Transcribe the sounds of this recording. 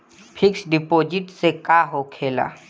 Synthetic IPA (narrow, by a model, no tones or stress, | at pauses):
pʰɪksɖɪpoːd͡ʒɪʈsekaːɦokʰeːla̰ː